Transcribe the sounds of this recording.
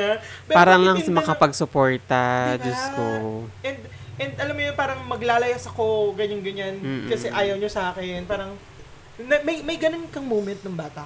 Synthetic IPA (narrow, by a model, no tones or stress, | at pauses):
apɛpaːɾɐŋlɐŋsmɐkɐpɐɡsʊpoɹt̪ɐd͡ʒɐst̪oʔɛnd̪ʔɛnd̪ʔɐlamːojonpaːɾɐŋmɐɡlaːlɐjɐsɐko̞ɡɐɲɐnɡɐɲan̩ːkɐsɛʔaːjɐwɲosaːkɛnpaːɾɐŋ | nɐmɐjmɐjɡɐnonkɐŋmoːmɛnt̪̚nɐŋbaːt̪ɐ